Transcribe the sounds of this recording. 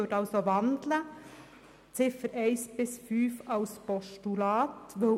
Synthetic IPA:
øtɑlsoʋɑnd̪lə | t͡sɪfəɾæɪsb̥ɪsfyːfɑʊspɔʃtylɑːt̪ʋo

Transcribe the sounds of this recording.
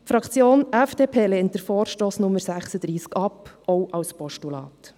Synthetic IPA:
tfɾɑkt͡sjoːnɛfd̥eːpʰeːleːnt̚d̥əɾfɔːɾʃtoːsnʊməɾsæχsəd̥̪ɾiːskɑpʔɔʊʔɑwspɔʃtulɑ̰ːt

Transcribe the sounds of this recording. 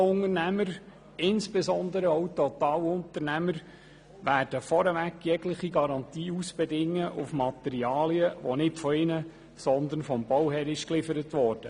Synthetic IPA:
ʊŋərnæməɾ | ɪnsb̥ɛzɔnd̪əɾəɔwt̪ɔt̪ɑːlʊnt̪əɾnæməɾ | ʋæːɾd̥əfɔɾəʋækːjɛɡlɪχiɡɑɾɑnt̪iːusb̥ɛdɪŋːəʔʊfmɑt̪ɛɾiɑːliəʋɔ̰nɪtfɔɪnə | sɔnd̪ənfɔmb̥ɔwɦɛɾɪʃklɪfəɾətʋɔːrd̥ə

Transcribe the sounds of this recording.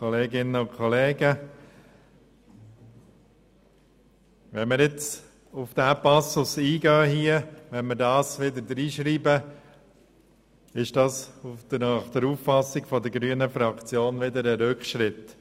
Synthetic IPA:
kɔleːɡɪnəʊnkʰɔleːɡə | ʋɛnmɪɾjɪt͡s | ʊfd̥̪æːpɑsʊsiːɡœːɦiəʋɛnmɪɾdɑːsʋɪd̪əɾd̪ɾiːʃɾiːbə | ɪʃd̥ɑːsufd̪əχd̥̪əɾuːffɑsɪɡfɔd̪əɾɡɾyənəfɾɑkt͡sjoːnʋɪd̪əɾəɾʏkχʃɾɪt̪

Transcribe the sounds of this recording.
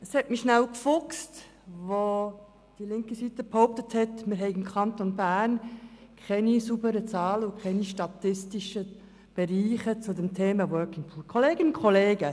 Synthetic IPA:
əshɛtmiʃnæwkfʊkst | ʋo | d̥ilɪŋkəsitəphoʊp̚təthɛtmɪɾɦɛɪɡɪmkχɑntonbæːrnkʰɛnisubəɾət͡sɑːləʊkʰɛniʃtɑtɪstiʃə | b̥ɛɾiːχət͡sʊdɛmtʰeːməwœːkɪŋpʰuːkʰoleːɡənʊkʰχoleːɡə

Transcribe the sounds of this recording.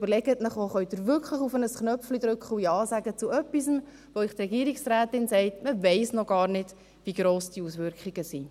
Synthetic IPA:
b̥əɾlɛɡətnəχoχœɥtd̥̪ɪɾvʏɾkχləχufənəsknœflid̥̪ɾʏkχəuiɑːsæɡət͡suœpːisəm | ʋoɪχt̪rɛɡiːɾiksræːtɪnsɛɪtməvɛɪsnɔɡ̥ɑːɾnɪd̥ | viːɡɾoːsd̥iusʋʏɾkχiɡ̥əsiː

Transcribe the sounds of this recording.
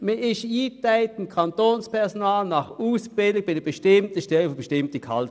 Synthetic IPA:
mɪɪʃiːtaɪtɪmkʰɑntoːnspʰɛɐsonɑːlnɑχuːsb̥ɪlɪbɪnəb̥əʃtɪmtəʃtɛlfb̥əʃtɪmtəkʰɑlt

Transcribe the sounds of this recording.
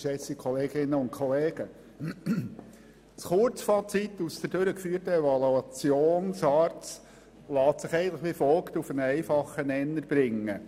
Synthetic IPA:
ʃɛsikʰɔleːɡɪnːəʊntkʰχɔleːɡ̥ə | sχʊɾt͡sfɑt͡sit̪ːusd̪ədøɾəkfyːərtəɛvɑluɑt͡sjoːnsɑːɾt͡s | lɑːt̪sɪχɛɪɡəntləχʋɪfɔlˠkt̪ufənɛɪfɑχənɛnːəɾb̥ɾɪŋːə

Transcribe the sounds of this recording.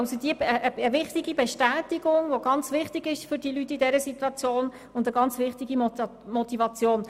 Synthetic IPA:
lsodiəəʔəvɪχtɪɡibɛʃtæːtɪɡʊŋʋoɡɑnt͡svɪχtɪɡɪʃfʏɾd̥ilytːɪdɛɾəsitwɑt͡sjoːn | ʊndəɡɑnt͡sʋɪχtɪɡi | mɔtivɑt͡sjoːn

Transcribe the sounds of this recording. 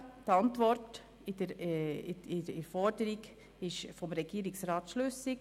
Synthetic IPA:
tɑntvɔɾt | ɪdəɾɪɪɾɛɾfɔɾdəɾiɡ | ɪʃfɔmɾɛɡ̥iːɾɪksɾɑːt̪ʃløsɪk

